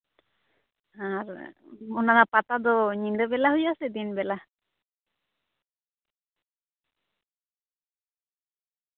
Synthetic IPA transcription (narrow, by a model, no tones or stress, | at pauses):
aɾɔnanapat̪ad̪ɔɲiŋdəbɛlahujasɛd̪inbɛla